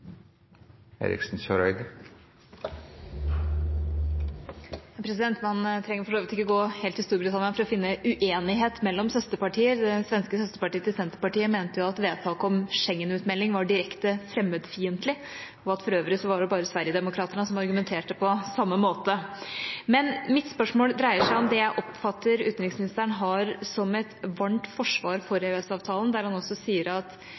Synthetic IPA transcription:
ḛːɾɪ̰ksn̩ɕœɾœʏd̪ | jɑpʰɾɛsɪd̪ɛnt̪mɑnt̪ʰɾɛŋːəɾfɔʂoːʋɪt̪ɪkːəɡoːheːlt̪hɪst̪uːɾbɾɪt̪ʰɑnɪənfɔɾɔfɪnːəʔʉʔeːnɪɦeːt̪mɛlːɔmsœst̪əpɑʈʰiːəɾd̪ɛsʋɛnskəsœst̪əpɑʈiːət̪ɪsɛnt̪əɾpɑʈiːəmeːnt̪əjʊɑt̪ʋeːd̪t̪ʰɑːkəɔmʂɛŋːənʉːt̪mɛlːɪŋʋɑɖɪɾɛkt̪əfɾɛmːəd̪fiːənt̪lɪ | ɔɑt̪fɔɾøːʋɾɪsɔʋɑɖɛbɑːɾəsʋæɾjəd̪ɛmʊkʰɾɑːt̪əɳəsɔmɑɾɡʉmɛnt̪ʰeːʈəpʰɔsɑmːəmoːt̪ə | mɛnmɪt̪spœʂmoːld̪ɾæɪəʂæɪɔmd̪ɛjæɪʔɔpfɑt̪ːəɾʉːt̪nɾɪŋsmɪnɪst̪əɳɦɑɾsɔmɛt̪ʋɑɳʈfɔʂʋɑːɾfɔɾeʉɛsɑːʋt̪ʰɑːlənd̪æɾhɑnɔsːɔsiːəɾɑt̪

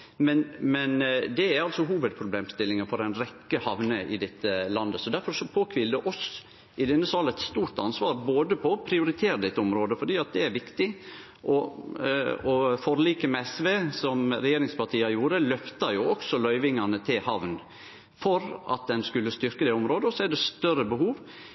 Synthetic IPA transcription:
mɛnmɛnd̪ɛæɾɑlsɔɦuːʋəd̪̚pʰɾʊbleːmst̪ɪlːɪŋənfɔɾɛɪnɾɛkːəhɑʋnəʔɪd̪ɛt̪ʰːəlɑnd̪əsɔd̪æɾfɔɾsɔpʰoːkʰʋɪːld̪ɛʔɔs | ʔɪd̪ɛnːəsɑlɛɪt̪st̪uːɾt̪ɑnsʋɑːɾboːd̪əpʰɔpʰɾɪʊɾɪt̪ʰeːɾəd̪ɛt̪ːəɔmɾoːd̪əfɔɖiːɑt̪̚d̪ɛæɾʋɪkt̪ɪ | ʔɔ | ɔfɔɾliːkəmɛɛsʋeːsɔmɾɛjeːɾɪŋspɑʈʰiːɑjuːɾəlœft̪ɑjʊɔksɔlœʏʋɪŋɑnət̪ʰɪlhɑʋn | fɔɾɑ̰t̪̚d̪ɛnskʉlːəst̪ʏɾkəd̪ɛɔmɾoːd̪əɔsɔɛɾɖ̪ɛst̪œɾəbəhuːʋ

